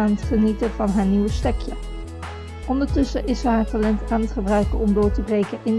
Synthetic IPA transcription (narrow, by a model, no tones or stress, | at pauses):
aːnətχənitəvɑnɦaːɹniwəstɛkjə | ʔɔndəɹtɵsəʔɪsəɦaːɹtalɛntaːmtχəbrœɥkəɔmdʊːɹtəbrejkənʔɪn